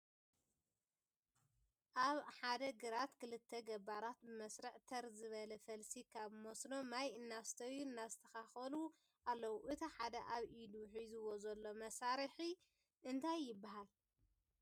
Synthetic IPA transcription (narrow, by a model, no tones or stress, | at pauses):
ʔaβħad̪ɐɡɨɾat̪kʰɨlɨt̪ʰːɐɡɐbaɾat̪̚bɨmɐsɾɐʕt̪ʰɐɾzɨβɐlɐfɐlsikʰaβmosnomajɨnːast̪ʰɐjːuɨnːazɨt̪ʰɐxaxɐlu | ʔalːɐwuʔɨt̪ʰiħad̪ɐʔaβʔid̪uħizɨwozɐlːo̞mɐsaɾiħi | ʔɨnt̪ʰajːɪbːaɦal